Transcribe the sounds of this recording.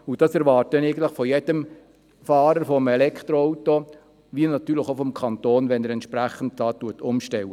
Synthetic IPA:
ud̥ɑsɛɾʋɑːrt̚dɛnɛɪɡn̩tləχfɔjɛdəm | fɑːɾəɾfɔmɛlɛkʰt̪ɾoɔʊto | ʋiənɑt̪yːləχofɔmkʰɑntoːnʋɛnəɾɛntʃpɾæχənd̚dɑːtːuətʊmʃtɛwə

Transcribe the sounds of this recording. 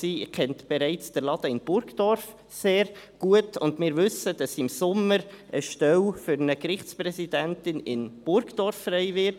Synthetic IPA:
siːkʰɛntb̥ɛɾaɪt͡sd̥əɾlɑd̥̪əɪnb̥ʊɾɡd̥ɔɾf | seːɾɡ̥uətʊndmɪːɾvʏsəd̥ɑsɪmsʊmːəɾʔəʃtɛlfʏɾnəkɾɪχt͡sprɛsidæntɪnɪnb̥ʊɾɡd̥ɔɾfːrɛɪvɪt

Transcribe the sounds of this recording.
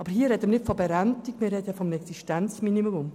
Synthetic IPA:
ɑːbəɾhiːəɾɛdəmnɪttfɔbɛɾæntikmɪɾːɛd̥əfɔmnəɛksiʃtænt͡sminimmʊm

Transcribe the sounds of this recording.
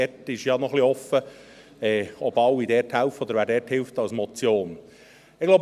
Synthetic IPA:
ɛtɪʃjɑnɔχliɔfə | ɛːɔbɑwːidɛːthælftɔd̪əɾʋæːɾdɛːthɪlft̪ɑlsmɔt͡sjoːn | ɪɡ̥lowb

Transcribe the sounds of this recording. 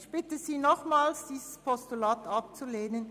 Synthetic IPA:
çb̥ɪtəziːnɔχmaːlsd̥iːzəspʰɔstulaːtɑp̚t͡suleːnən

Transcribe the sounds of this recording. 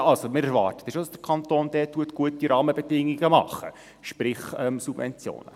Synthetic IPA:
ɑlsomɪɾɛɾvɑːrtə̥tɛsʃod̥ɑsd̥ɾkʰɑntoːnd̥̪ɛːtːuətɡ̥uətiɾʔɑːməbɛdɪŋːiɡəmɑχːə̰ | ʃpɾɪχɛmsub̥vɛ̰nt͡sjo̰ːnə̰

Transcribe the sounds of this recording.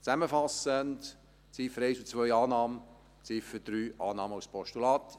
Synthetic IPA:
t͡sæməfɑsənd | t͡sifəɾɛɪsut͡sʋœʏɑːnɑːmə | t͡sifəd̥ɾyːʔɑːnɑːməuspʰɔʃtulɑːt̪

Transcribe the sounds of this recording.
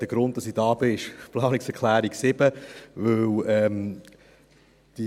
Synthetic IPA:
d̥əɡ̥ɾʊnt̚d̥ɑsɪd̥ɑːbɪʃplɑːnɪŋsɛʁkʰlæːɾiksɪb̥əvɵwɛm | d̥i

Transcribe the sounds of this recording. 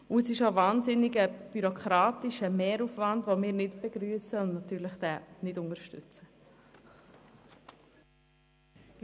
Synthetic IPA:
uəsɪʃovɑːnzɪnɪɡəb̥yɾokʰɾɑːtɪʃəmɛːɾufvɑndvomɪːɾnɪtb̥ɛɡɾyəsəʊndnatyːɾləχd̥ɛːnɪdʊnəɾʃtʏ̰t͡sə

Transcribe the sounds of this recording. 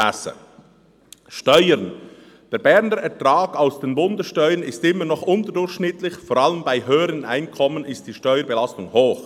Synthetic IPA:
ɛ̰sə̰ | ʃtɔʏəɾn | d̥eːɾbɛʁnəɾɛɾtraːɡ̥aʊsd̥eːnbʊndəsʃtœʏənɪstɪmːənɔχʔʊntədʊɾçʃnɪtlɪçfoːɾaləmbaɪɦøːəɾənʔa̰ɪnkʰɔmənɪst̚d̥iːʃtœʏəɾbelastʊŋhoːx

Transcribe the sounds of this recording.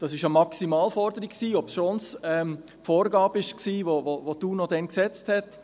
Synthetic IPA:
d̥ɑsɪʃəmɑksimɑːlfɔɾdəɾikksiːɔpsʃonsɛm | foːɾɡɑːbɪʃksiːʋovoʋoduːnɔdɛnksɛt͡sthɛt

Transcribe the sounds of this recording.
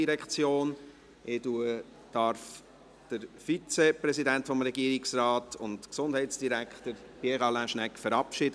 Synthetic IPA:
iɾɛkχt͡sjoːn | ʔɪtuə | d̥ɑɾf | d̥əɾfit͡sɛpɾɛzidæntfɔmɾɛɡiːəɾiksrɑːtʰʊntksʊnd̥ɦɛɪtsd̥iɾækχtəɾpiɛʁɑlæ̃ʃnɛkfəɾɑpʃɪd

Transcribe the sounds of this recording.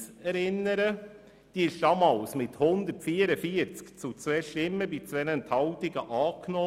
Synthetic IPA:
ɛɾɪnːəɾə | d̥iːɪʃd̥ɑmɑːlsmɪthʊnd̪əɾtfiːəɾəfiəɾt͡skt͡sut͡sʋɛʃtɪmːəbit͡sʋɛnɛnt̪ʰhɑlt̪ɪɡəʔɑːknɔː

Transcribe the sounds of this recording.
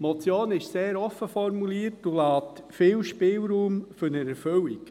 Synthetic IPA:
mɔt͡sjoːnɪʃseːɾɔfːəfɔɾmuliːəɾtulɑːt̪ | fɪːwʃpɪːlɾuːmføɾnəɾɛɾføwik

